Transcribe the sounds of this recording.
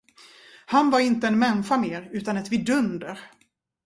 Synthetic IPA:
hanvaɾɪnt̪əɛnmɛnfameːɾʉ̟ːt̪anɛt̪vɪd̪ɵnd̪əɾ

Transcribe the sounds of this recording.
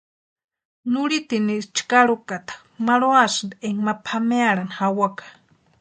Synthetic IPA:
nuɺit̪inist͡ʃkaɺukat̪ḁ | maɺoasnd̪eŋmapʰameaɺanhawakḁ

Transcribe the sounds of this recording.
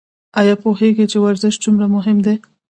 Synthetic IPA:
ɑjɑpoɦeɡit͡ʃewaɾzɪʃd͡zumɾamʊɦɪmd̪e

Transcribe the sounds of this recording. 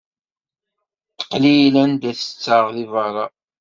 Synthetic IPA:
t̪qːlijlænd̪æθə̥t͡sːəʁðivəɾˤɑ

